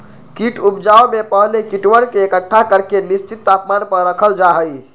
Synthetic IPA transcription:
kiʈʰupd͡ʒaomepəɦlekiʈʋənkeːkəʈʰːakəɾkenist͡ʃit̪ːapmanpəɾɾəkʰəld͡ʒaɦəj

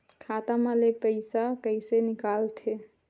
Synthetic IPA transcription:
kʰat̪amalepəɪsakəɪsenɪkalt̪ʰe

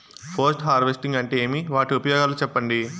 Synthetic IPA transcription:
pʰɐɾsʈɦaːɾʋesʈiŋɡɐɳʈeeːmiʋaːʈiupɐjɔːɡaːlut͡ʃɛpːɐɳɖi

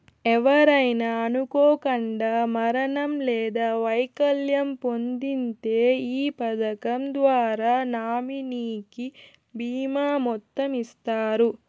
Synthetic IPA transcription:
ɛʋɐɾɐjnɐːnukɔːkɐɳɖaːmɐɾɐɳɐmlɛːd̪aːʋɐjkɐljɐmpond̪int̪e̞ːiːpɐd̪ɐkɐmd̪ʋaːɾaːnaːminiːki | biːmaːmɔt̪ːɐmist̪aːɾu

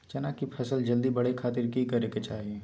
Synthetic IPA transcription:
t͡ʃɐnaːkipʰɐsəld͡ʒɐld̪ibɐɽekʰaːt̪ɪɾkikɐɾeket͡ʃaːɦieː

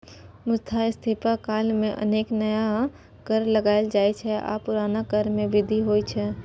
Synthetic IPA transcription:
mʊst̪ʰaɪst̪ʰipakaːlmẽʔə̰neːknəja | kəɾləɡaːɪld͡ʒaːit͡ʃʰɛʔa̰ːpʊɾaːnakəɾmẽʋɪd̪ʱiɦoːit͡ʃʰɛː

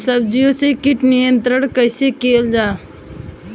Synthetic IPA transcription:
səbd͡ʒijõsekɪʈnijə̃nt̪ɾəɽkəɪsekeːld͡ʒaː

